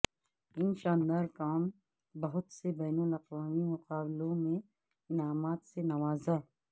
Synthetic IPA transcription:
ɪnʃãːnd̪aːɾkaːm | bɐɦʊt̪sebɛːnʊlɐqwaːmimʊqaːblõmẽ | ɪnaːmaːt̪senɐʋaːza

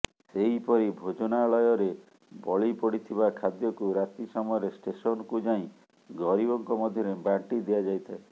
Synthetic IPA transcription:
seipɔɾibʱod͡ʒɔnaːɭɔjɔɾe | bɔɭipɔɽit̪ʰibakʰad̪jɔkuɾat̪isɔmɔjɔɾesʈesɔnɔkud͡ʒaĩ | ɡɔɾibɔŋkɔmɔd̪ʱjɔɾebaɳʈid̪ijad͡ʒajt̪ʰae

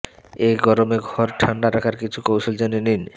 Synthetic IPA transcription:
eɡɔɾomeɡʱɔɾʈʰaɳɖaɾakʰaɾkit͡ɕʰukowʃold͡ʑeninin

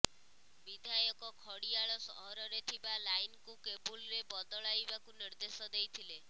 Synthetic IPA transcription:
bid̪ʱajɔkɔkʰɔɽiaɭɔsɔ̰ɦɔɾɔɾet̪ʰibalajnkukebulɾebɔd̪ɔɭajbakuniɾd̪esɔd̪ejt̪ʰile

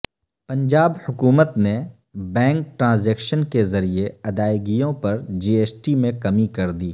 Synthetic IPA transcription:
pɐ̃ɲd͡ʒaːbhʊkuːmət̪ne | bɛ̃ːŋk̚ʈɾãːzeːkʃənkezɐɾieɐd̪aːɪɡijõpɐɾd͡ʒiːeːsʈimẽkɐmikɐɾd̪iː

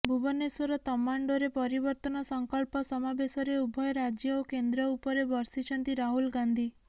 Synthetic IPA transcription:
bʱubɔnːeswɔɾɔt̪ɔmaɳɖoɾepɔɾibɔɾt̪ɔnɔsɔŋkɔɭpɔsɔmabesɔɾeubʱɔjɾad͡ʒjɔokend̪ɾɔupɔɾebɔɾsit͡ʃʰɔnt̪iɾaɦulɡand̪ʱi

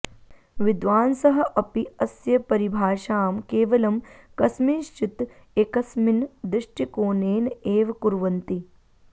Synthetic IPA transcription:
ʋɪd̪ʋaːnsɐɦɐ̆ʔɐpiɐsjɐpɐɾibʱaːʃaːmkeːʋɐlɐmkɐsmiːʃt͡ʃit̪ | ekɐsmind̪ɾɪʂʈʰikoːneːneːʋɐkuɾʋɐnt̪i

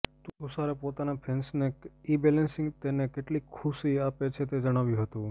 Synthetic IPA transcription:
t̪ũusaɾepot̪anapʰensneibɛlənsɪ̃ŋɡt̪enekeʈlikʰusiapet͡ʃʰet̪ed͡ʒəɽ̃aʋjũɦət̪ũ

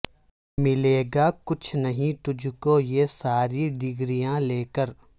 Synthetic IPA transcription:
mɪleːɡaːkʊt͡ʃʰnɐɦĩt̪ʊd͡ʒʱkojesaːɾiɖɪɡɾijãleːkəɾ

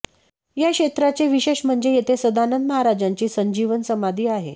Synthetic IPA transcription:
jakɕet̪ɾat͡seʋiɕeɕm̤əɳd͡zejet̪ʰesəd̪anənd̪məɦaɾad͡ʑaɲt͡ɕiːsəɲd͡ʑiʋənsəmad̪ʱiːaɦḛ

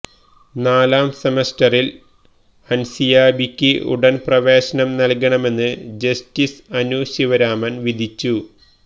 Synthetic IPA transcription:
naːlaːmsemestɐril | ɐnsijaːbikʲːɨʔṵɽɐnprɐʋe̞ːɕɐnɐmnɐlkɐɳɐme̞nːɨd͡ʑɐstisɐnuːɕiʋɐɾaːmɐnʋid̪ʱit͡ɕːu

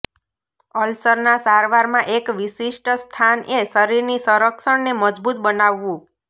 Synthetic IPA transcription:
əlsəɾnasaɾʋaɾmãʔekʋisiʃʈəst̪ʰanʔesʌɾiɾnisəɾəkʃəɽneməd͡ʒbut̪̚bənaʋːũ

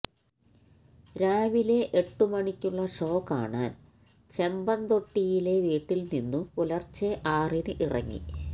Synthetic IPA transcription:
ɾaːʋile̞ʔeʈːumɐɳikʲːuɭːɐʂo̞ːkːa̰ːɳaːn | t͡ɕe̞mbɐnd̪o̞ʈːijile̞ʋiːʈːilninːupulɐrt͡ɕːeʔaːrinɨʔirɐ̰ŋːḭ

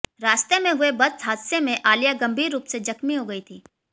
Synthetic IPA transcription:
ɾaːst̪emẽɦʊebɐd̪sɦaːd̪semẽʔaːlijaɡɐ̃mbʱiːɾːuːpsed͡ʒɐkmiɦoɡɐit̪ʰiː

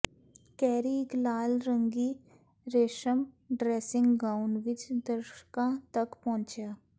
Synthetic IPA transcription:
kɛːɾiɡlaːlɾə̃ŋɡiː | ɾeːʃəm | ɖɾeːsɪ̃ŋɡɡaːʊnʋɪt͡ʃd̪əɾʃkãt̪ɐkpɔ̃ɦʊ̃nt͡ʃjaː

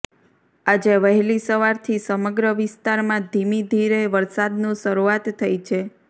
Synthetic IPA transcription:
ad͡ʒeʋəɦɛlisəʋaɾt̪ʰisəməɡɾəʋɪst̪aɾmãd̪ʱimid̪ʱiɾeʋəɾsad̪nũʃəɾuat̪ʰːəjt͡ʃʰe

